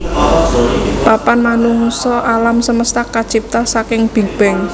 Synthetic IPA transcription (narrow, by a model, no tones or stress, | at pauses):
papanmanuŋsɔʔalamsəməst̪akat͡ʃip̚t̪asakɪŋb̥i̤b̥ɛŋ